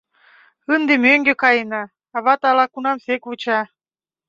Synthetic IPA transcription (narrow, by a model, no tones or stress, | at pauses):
ɯnd̪emøŋɡĕkɑjənɑ | ɑβɑt̪ɑlɑkunɑmsekβut͡ɕɑ